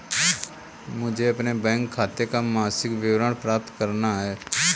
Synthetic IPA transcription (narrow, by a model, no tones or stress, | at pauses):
mʊd͡ʒʱeɐpnebɛ̃ːŋkʰːaːt̪ekamaːsɪkʋɪwɾəɽpɾaːp̚t̪kəɾnaɦɛː